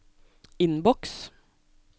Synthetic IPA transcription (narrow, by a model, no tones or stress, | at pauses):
ɪnbɔks